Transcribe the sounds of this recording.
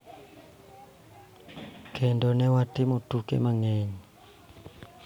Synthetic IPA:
kʰɛndɔnɛwatimotukɛ̰maŋɛɲi

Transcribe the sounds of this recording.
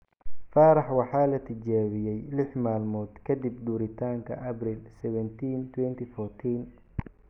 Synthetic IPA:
faːɾɑħwɑħɑːlɐt̪ʰɪt͡ʃaːβɪjɛjlɪħmaːlmɔːd̪kʰɐd̪ib̚d̪uːɾɪt̪ʰaːŋkʰɐ̰ʔɐbrɪlsɛβɛnt̪ʰiːnt̪ʰwɛnt̪ʰifɔːrt̪ʰiːn

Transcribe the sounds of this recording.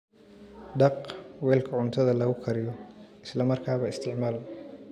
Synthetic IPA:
ɖɑqwɛːlkʰɐʕʊnt̪ʰɐðɐlɐɣʊkʰɐɾɪjɔʔɪslɐmɐrkʰaːβɐɪst̪ʰɪʕmaːl

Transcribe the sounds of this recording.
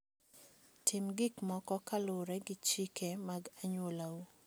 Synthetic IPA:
tʰɪmɡɪkmɔkɔkalʊɾɛɡɪt͡ʃikemaɡaɲwolau

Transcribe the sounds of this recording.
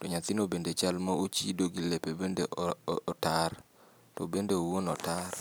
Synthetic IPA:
toɲat̪inobendet͡ʃalmaot͡ʃidoɡilepebendeɔɔtar | to̰bendeowonɔtar

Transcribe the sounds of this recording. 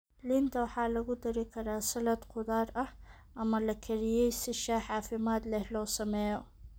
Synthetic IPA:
lɪnt̪ɐwɑħɑːlɐɣʊd̪ɐɾɪkʰɐɾaːsɐlɐd̪qʰʊðaːɾɐh | ʔɐmɐlɐkʰɐɾɪjɛjsɪʃaːħɑːfɪmaːd̪lɛhlɔːsɐmɛːjɔ

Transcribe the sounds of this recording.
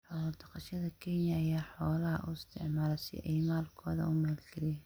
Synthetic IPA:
ħɔːlɐd̪ɐqɑʃɐðɐkʰɛnjɐːjaːħɔːlɐɦɐ̰ʔʊ̰ɪst̪ʰɪ̰ʕmaːlɛsɪ̰ʔɛjmaːlkʰɔːðɐ̰ʊmaːlɡʰɪli

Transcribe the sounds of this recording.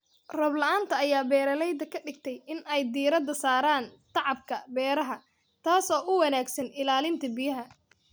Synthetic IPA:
rɐblɐʔaːnt̪ʰɐːjaːbɛːɾɐlɛjd̪ɐkʰɐɖɪɡ̚t̪ʰɛjɪnɛjd̪iːɾɐd̪ɐsaːɾaːnt̪ʰɑʕɑb̚kʰɐbɛːɾɐɦɐ | t̪ʰaːsɔːʔʊwɐnaːɡsɐnɪlaːlɪnt̪ʰɐbɪjɐɦɐ

